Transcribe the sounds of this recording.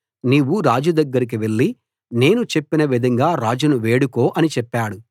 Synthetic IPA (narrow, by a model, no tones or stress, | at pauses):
niːwːuɾaːd͡ʒud̪ɐɡːɐɾik̬iʋe̞ɭːi | ne̞ːnut͡ʃe̞pːinɐʋid̪ʱɐŋɡaːɾaːd͡ʒunuʋe̞ːɽukoːʔɐnit͡ʃɛpːaːɽu